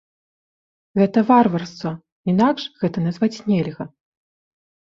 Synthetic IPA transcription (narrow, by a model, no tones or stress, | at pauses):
ɣɛt̪ɐvarvɐrst̪vɔ | inakʂɣɛt̪ɐnazvat͡sʲnʲɛlʲɣɐ